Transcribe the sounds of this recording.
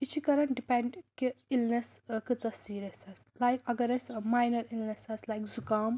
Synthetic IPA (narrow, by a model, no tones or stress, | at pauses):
it͡ʃʰikɐɾɐnɖipẽɳɖkiilneskɨt͡sɐsiːɾɐsɐslajkɐɡɐɾɐsmajnɐɾilnesɐslajkzukaːm